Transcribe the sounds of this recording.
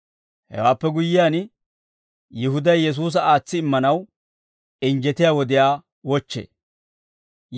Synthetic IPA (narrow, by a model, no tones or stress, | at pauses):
hɛ̰waːpːɛɡʊjːɪjaːn | jɪɦʊd̪ɐjjɛs̬uːs̬ɐaːt͡sːɪːmːɐnɐw | ɪnd͡ʒɛt̪ɪjaːwɔd̪ɪjaː | wɔt͡ʃːḛː